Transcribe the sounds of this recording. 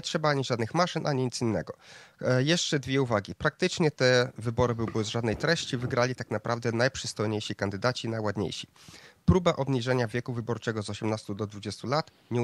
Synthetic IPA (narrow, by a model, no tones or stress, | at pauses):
ɛtʂɛbaaɲiʐad̪nɘxmaʂɘnʔaɲiɲit̪sʲinːɛɡɔjɛʂt͡ʂɛd̪vʲjɛuvaɡʲipɾak̚t̪ɘt͡ʂɲɛt̪ɛvɘbɔɾɘbɘwbɘwzʐad̪nɛjt̪ɾɛɕt͡ɕivɘɡɾalʲit̪aknapɾʔavd̪ɛnajpʂɘst̪ɔjɲejɕikand̪ɘd̪at͡ɕinajwad̪ɲḛjɕi̥ | pɾubaʔɔbɲiʐɛɲavʲjɛkuvɘbɔɾt͡ʂɛɡɔzɔɕɛmnast̪ud̪ɔd̪vud͡ʑɛst̪ulat̪ | ɲɛ